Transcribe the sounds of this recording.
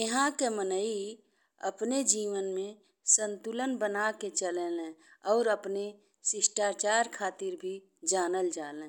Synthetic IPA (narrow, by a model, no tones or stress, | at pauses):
əɦãkemənəi | ə̰pned͡ʒiːʋənmẽ | sə̃nt̪ʊlənbənaket͡ʃəlelẽɔːɾəpne | sɪsʈaːɾt͡ʃaːɾkʰaːt̪ɪɾbʱi | d͡ʒaːnəld͡ʒaːlẽː